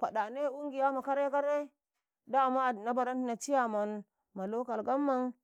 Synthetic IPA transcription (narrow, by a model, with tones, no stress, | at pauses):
pa˨ɗa˨ne˦˨u˦ŋɡi˨ja˦ma˨ka˦ɾe˦ka˦ɾe˦ | da˦˨ma˦˨na˦ba˨ɾa˦nti˨na˨t͡ʃi˦ja˨ma˨n | ma˨lo˦ka˨lɡa˦mːa˦ŋ